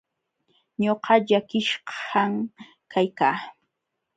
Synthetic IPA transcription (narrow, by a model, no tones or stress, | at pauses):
ɲoqɑʎakɪʃɢɑm | kajkaː